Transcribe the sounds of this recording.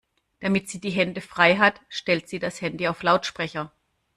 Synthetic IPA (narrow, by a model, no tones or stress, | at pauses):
d̥amɪtz̥iːdiːɦɛndəfʁ̥aɪɦatʃtɛltz̥iːdashɛndiaʊflaʊtʃpʁ̥ɛçɐ